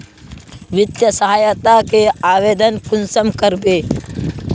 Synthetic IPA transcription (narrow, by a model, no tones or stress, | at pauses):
ʋɪt̪jəsəɦaːjət̪akeaːʋeːd̪ənkʊnsəmkəɾbeː